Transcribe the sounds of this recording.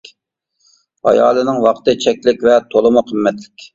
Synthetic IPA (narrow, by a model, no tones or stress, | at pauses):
ɑ̰jɑ̰ːlˠɨnɪŋwɑqʰt̪ɨt͡ʃʰɛkʲlɪkʲvɛt̪ʰolˠɨmuqʰəmːɛt̪lɪ̥kʲ